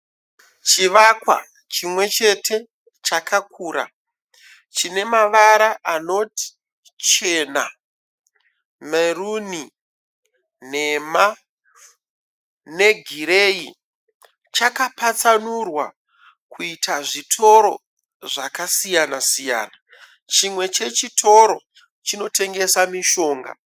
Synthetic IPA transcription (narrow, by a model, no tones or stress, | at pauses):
t͡ʃiʋakwa̰ | t͡ʃimwe̞t͡ʃe̞tʰe̞ | t͡ʃakʰakʰuːɾa̰ | t͡ʃine̞maʋaɾaʔano̞ti̥ | t͡ʃe̞na̰ | meruni | ne̞ma | ne̞ɡʱiɾei | t͡ʃakapat͡sanurwa | kuitʰaʐitʰo̞ɾo̞ | ʐakasijanasija̰ːna | t͡ʃimwe̞t͡ʃe̞t͡ʃitʰo̞ɾo̞ | t͡ʃino̞tʰe̞ŋɡe̞samiʃo̞ːŋɡa̰